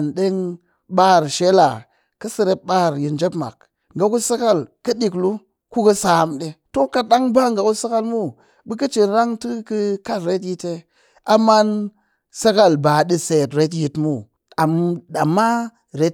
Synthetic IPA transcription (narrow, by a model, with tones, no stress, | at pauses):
nɗe˦ŋ | ɓa˦˨ɾʃe˦la˨ | kə˦si˨˧ɾe˦p̚ɓa˦˨ɾji˨nd͡ʒe˦pma̰˨k | ŋ̩ɡa˨ku˦sa˦ka˦˨lkə˦ɗi˨klu˦ | ku˦kə˦saː˨˦˨mɗe˨to˦ka˨ɗa˦ŋba˦ŋɡa˨ku˦sa˦ka˦lmu˦ | bɨ˦k̬ə˦t͡ʃi˨nɾa˦ŋtɨ˦kɨ˦˧ka˦tɾe˦t̬ji˧te˧ | a˨ma˦n | sa˦ka˦lba˨ɗi˧se˨tɾe˦t̬ji˧tmu˦ | a˨mɗa˨mːa˦ | ɾe˦